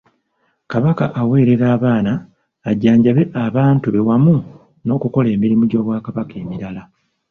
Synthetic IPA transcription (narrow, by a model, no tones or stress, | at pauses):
kaβakaʔawe̞ːɾe̞ɾaːβaːnaː | ɟaːɲɟaβe̞ʔaβaːntuβe̞wamu | no̞ːkuko̞le̞ːmiɾimuɟo̞βwaːkaβake̞ːmiɾala